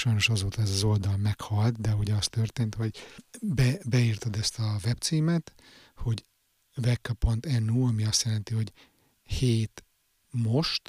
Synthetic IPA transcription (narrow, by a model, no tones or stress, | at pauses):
ʃɒjno̞ʃɒzoːt̪ɒɛzɒzo̞ld̪ɒlmɛkhɒlt̪d̪ɛuɟɛɒst̪ørt̪eːnt̪ho̞ɟbɛbɛirt̪od̪ɛst̪ɒvɛpt̪siːmɛt̪ | ho̞ɟ | vɛkːɒpo̞nt̪ɛnuːɒmiɒst̪jɛlɛnt̪iho̞ɟ | heːt̪ | mo̞ʃt̪